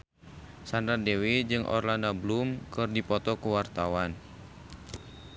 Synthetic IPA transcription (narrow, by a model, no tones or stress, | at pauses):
sandadewid͡ʒɨŋʔɔ̰rlanablumkɨrdipɔt̪ɔkuwart̪awan